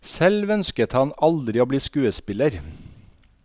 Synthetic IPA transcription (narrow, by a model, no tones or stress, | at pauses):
sɛlʋœnskət̪hɑnɑld̪ɾɪoːbliːskʉːəspɪləɾ